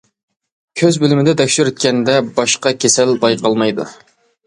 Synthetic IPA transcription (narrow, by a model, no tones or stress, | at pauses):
kʲʰøzbølɪmɪd̪ɛt̪ʰɛkʲʃyɾyt̪̚kʲɛnd̪ɛbɑʃqɑkʲʰesɛlbɑjqɑlˠmɑjd̪ṵ